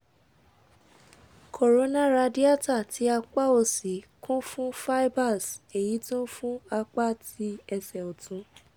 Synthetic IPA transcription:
kʰo˨ɾo˨˧˦nã˦˨ɾa˧di˦a˦˨ta˦˨tʰi˨˦a˧k͡pa˦˨o˧˨si˨˦kʰũ˦fũ˦fa˦i˦ba˦˨se˨ji˨˦tũ˦fũ˦a˧k͡pa˦ti˧˦ɛ˧sɛ˨ɔ˨tũ˧˦

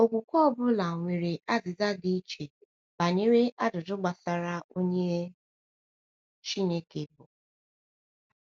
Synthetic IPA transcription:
o˦˨kʷu˨kʷɔ˦bʊ˦la˨ŋʷe˨ɾe˨ʔa˦zɪ˨za˦ɡi˦t͡ʃe˨ | b̥a˨ɲe˦ɾe˦ʔa˦dʊ˨dʊ˦ɡ͡ba˨sa˨ɾa˦o˦ɲe˦ | t͡ʃi˦ne˦ke˨bʊ˨

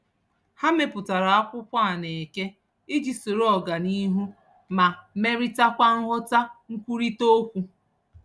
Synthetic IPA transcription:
ha˦me˨pʊ˨ta˨ɾa˨a˦kʷʊ˦kʷa˦˨ne˨e˨ke˦ | i˦d͡ʒi˨so˨ɾo˦ɔ˨ɡa˨ni˦ɦu˦ | ma˨me˦ɾi˦ta˦kʷa˦ŋ̩˦ɦʊ˦ta˦ŋ̩˦kʷu˦ɾi˦to˦kʷu˨

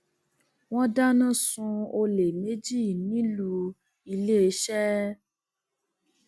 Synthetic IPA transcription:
w̃ɔ̃˦da˦nã˦˨sũ˧o˧le˨me˨˦d͡ʒi˦˨nĩ˦lu˧ | i˧le˦e˧ʃɛ˦

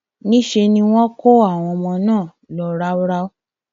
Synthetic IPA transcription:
nĩ˦ʃe˧nĩ˧w̃ɔ̃˦ko˦a˦˨w̃ɔ̃˧mɔ̃˧nãː˦˨ | lɔ˨˧ɾa˦u˦ɾa˦o˦

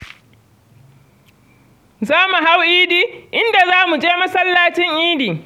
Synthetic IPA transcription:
zaː˦mu˨ɦa˦wʔiː˦diː˦ʔɪ˦nda˨zaː˦mu˨d͡ʒeː˦mɐ˦sɐ˦lːaː˦t͡ʃɪ˦ŋʔiː˦diː˨

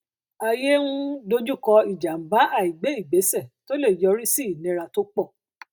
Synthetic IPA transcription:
a˧je˦nũ˦do˦d͡ʒu˦˨kɔ˧i˨d͡ʒa˨m̩˨ba˨˦a˦˨i˨ɡ͡be˨˦i˦˨ɡ͡be˨˦sɛ˦˨to˦le˦˨jɔ˧ɾi˦si˦i˨nĩ˧˦ɾa˧to˦k͡pɔ˦˨

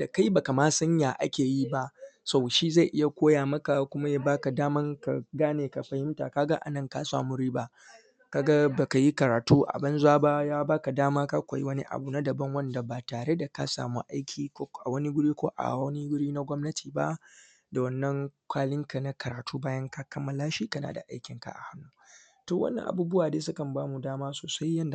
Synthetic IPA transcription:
da˨ka˦jba˨ka˨maː˦sɐ˦ɲjaː˨ʔa̰˦kʲeː˨ji˦ba˦ʔsa˦˨wʃiː˦za˦˨ʔɪ˦ja˦kʷoː˦jaː˨mɐ˦ka˨kʷʊ˦ma˦ja˦baː˦ka˨daː˦mɐ˦ŋka̰˨ɡaː˦neː˨ka˨ɸɐ˨hɪ˦mta̰˨ka˦ɡa˦ʔa̰˨nɐ˦˨ŋka˦sa̰ː˨mu˦ɾiː˦ba˦ʔ | ka˦ɡa˦ba˨ka˨ji˦kɐ˨ɾaː˨tuː˦ʔa̰˨bɐ˦nzʊ˦a˦ba˦jaː˦baː˦ka˨daː˦maː˦ka˦kʷa˨ji˦wɐ˦ni˦ʔa̰˨bu˨na˦dɐ˨bɐ˦ŋwɐ˦nda˨baː˨taː˨ɽe˦da˨ka̰˦sa̰ː˨mṵ˦ʔa˦jkʲʰiː˨˦ʔa˨wɐ˦ni˦ɡʊ˦ɽiː˦kʷoː˦ʔa̰˨wɐ˦ni˦ɡʊ˦ɽiː˦na˦ɡʷɔ˦mnɐ˦tʰiː˨ba̰˦ | da˨wɐ˦nːɐ˦ŋkʷaː˦lɪ˦ŋka˨na˦kɐ˨ɾaː˨tʰuː˦baː˦jɐ˦ŋka˦kɐ˦mːa˨laː˦ʃiː˦kɐ˦na̰˨da̰˨ʔa˦jkʲɪ˨ŋka̰˨ʔa̰˨ha˦nːuː˦ | toː˨wʔɐ̰˦nːɐ̰˨ʔa̰˨buː˦bʊ˦waː˨deː˦sʊ˦kɐ˨mbaː˦mu˨daː˦maː˦soː˨sa˦jːɐ˦nda˨

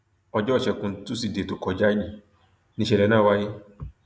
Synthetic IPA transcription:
ɔ˨d͡ʒɔ˦˨ʃɛ˨kũ˨n̩˨tu˦si˨de˨tʊ˨kɔ˨d͡ʒa˦d͡ʒi˨ | nĩ˧ʃɛ˨ɾɛ˨nã˦˨wa˦jɪ˦

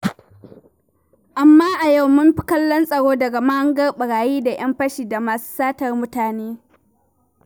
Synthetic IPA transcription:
ʔa˨mːaː˦ʔa˨ja˦wmʊ˦mɸɪ˦kɐ˦lːɔ˦nsʼɐ˨ɽoː˦dɐ˨ɡa˨ma˦hɐ˦ŋɡɐ˦rɓɐ˨ɽaː˨jiː˦da˨j̰ɐ˦mɸɐ˦ʃiː˨da˨maː˨su̥ː˦saː˦tɐ˨rmʊ˦taː˨neː˦

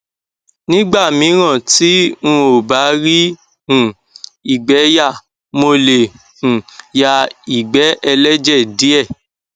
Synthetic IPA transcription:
nĩ˦ɡ͡ba˦˨mĩ˨˦ɾ̃ã˦˨ti˨˦ũ˦˧o˨ba˨˦ɾi˦ | hũ˨ | i˨ɡ͡bɛ˨˦ja˦˨ | mo˧le˨ | ũ˨ja˧i˨ɡ͡bɛ˨˦ʔɛ˧lɛ˦d͡ʒɛ˦˨di˨˦ɛ˦˨

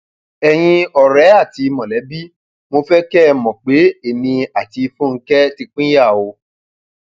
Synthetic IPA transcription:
ɛ˨j̃ĩ˧ɔ˨ɾɛ˨˦a˦˨ti˧mɔ̃˨lɛ˨˦bi˦ | mo˧fɛ˦kɛ˦˧mɔ̃˨k͡pe˨˦e˨mĩ˧a˨ti˧fũ˦ŋ̩˦kɛ˦ti˧k͡pĩ˦ja˦˨o˧

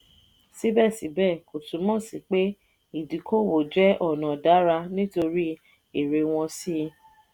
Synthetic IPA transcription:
si˦bɛ˦˨si˨˦bɛ˦˨ko˨tũ˨˦mɔ̃˦˨si˨k͡pe˦ | i˦˨di˨ko˦˨wo˨d͡ʒɛ˦ʔɔ˦˨nã˨da˨˦ɾa˧nĩ˦to˧ɾi˦ | e˦˨ɾe˧w̃ɔ̃˧si˦˧

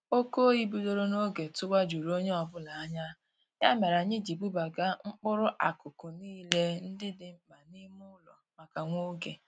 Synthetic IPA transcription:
o˦ko˦i˦bi˦do˦ɾo˦no˦ɡe˨tʊ˦ɡ͡ba˦d͡ʒu˨ɾo˦ɲe˦ɔ˨bʊ˦la˨a˦ɲa˦ | ɲa˦me˨ɾa˨ɲɪ˦d͡ʒi˨bu˦ba˨ɡa˦ŋ͡m̩˦k͡pʊ˦ɾʊ˦ʔa˨kʊ˨kʊ˨niː˦le˦n̩˦dɪ˦dɪ˨m̩˨ma˨ni˦mʊ˦lɔ˨ma˨ka˨ŋʷo˦ɡe˨

